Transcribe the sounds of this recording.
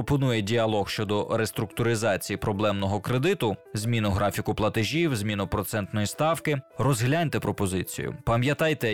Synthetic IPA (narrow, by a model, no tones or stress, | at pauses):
ɔpɔnujɛdʲiɐlˠɔxʃt͡ʃɔd̪ɔɾest̪ɾʊk̚t̪ʊɾɪzɑt͡sʲijipɾɔblˠɛmnɔɦɔkɾed̪ɪt̪ʊzʲmʲinʊɦɾɑfʲikʊplˠɐt̪eʒʲiwzʲmʲinʊpɾɔt̪sɛnt̪nɔjist̪ɑwkɪɾɔzɦlʲanʲt̪ɛpɾɔpɔzɪt͡sʲḭjʊ̰pɐmjɐt̪ɑjt̪ɛ